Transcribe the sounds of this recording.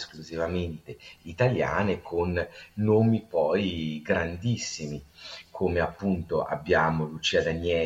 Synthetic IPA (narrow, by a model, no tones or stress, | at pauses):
skluzivament̪eit̪alja̰ːnekʰonːoːmipɔjɡɾand̪isːimikʰoːmeapːunt̪oʔa̰bːjaːmolut͡ʃiːad̪anjɛ